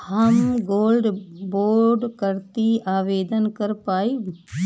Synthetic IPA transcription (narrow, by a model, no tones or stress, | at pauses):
hɐmɡoːlɖboːɾɖkəɾt̪iaːʋeːd̪ənkɐɾpaːi